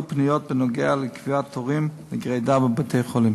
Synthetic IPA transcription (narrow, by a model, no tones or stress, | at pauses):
pnɪjɔt̚bɪnɔɡɛalˠɪkviatʰɔʁimnɪɡʁeɪdabəbətʰeɪχɔlˠɪm